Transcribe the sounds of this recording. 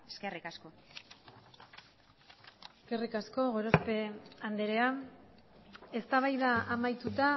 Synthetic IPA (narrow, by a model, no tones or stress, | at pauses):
eskerikasko̞ | eske̞rikasko̞ɣo̞ɾospe̞and̪eɾe̞a | e̞st̪aβajðaːmajt̪ut̪a